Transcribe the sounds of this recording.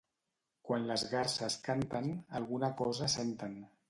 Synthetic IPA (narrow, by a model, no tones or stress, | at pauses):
kwanləzɣarsəskant̪ənalˠɣunakɔzəsent̪ən